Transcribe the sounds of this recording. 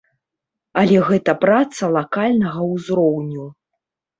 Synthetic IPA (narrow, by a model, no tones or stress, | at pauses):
ɐlʲɛɣɛt̪ɐpɾat̪sɐlˠakalʲnɐɣɐwzɾɔwnʲu